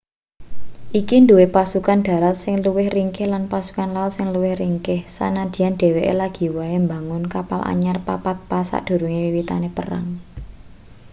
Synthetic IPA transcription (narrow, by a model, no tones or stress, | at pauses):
ʔikind̪uwepasukanɖ̪̥a̤ɾal̚sɪŋluwɪhriŋkɪhlanpasu̥kanlalsɪŋluwɪhriŋkɪhsa̰nad̪̥i̤janɖ̪̥ɛ̤weʔḛlaɡ̥i̤waembaŋʊnkapalʔa̰ɲarpa̰pat̪̚pasa̰ʔd̪̥o̤ɾuŋiwiwit̪a̰nepəra̰ŋ